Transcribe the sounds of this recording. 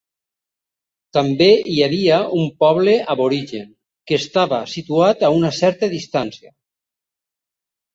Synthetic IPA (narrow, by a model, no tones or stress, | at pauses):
t̪ambeʔiaβiaumpɔβleʔaβoɾiʒeŋ | keːst̪aβasit̪uat̪aunasɛɾt̪aðist̪ansja